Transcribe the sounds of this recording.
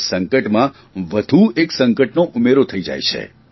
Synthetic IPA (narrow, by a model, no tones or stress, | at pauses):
səŋkəʈmã | ʋəd̪ʱueksəŋkəʈnoʔumeɾot̪ʰəid͡ʒa̰jt͡ʃʰḛ